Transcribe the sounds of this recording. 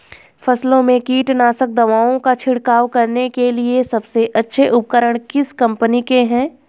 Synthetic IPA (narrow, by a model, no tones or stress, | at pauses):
fɐslõmẽkiːʈnaːsək̚d̪ɐʋaːõkat͡ʃʰɪɽkaːwkɐɾnekeliesɐbseʔɐtːʃʰeʔʊp̚kəɾəɽ̃kɪskɐ̃mpənikeɦɛ̃ː